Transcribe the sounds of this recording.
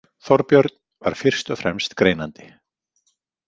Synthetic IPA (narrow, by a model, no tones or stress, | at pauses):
θɔɾpjœɾt̪̚nva̰ɾ̥fɪr̥st̪œfɾɛmst̪kɾeːjnant̪ɪ̥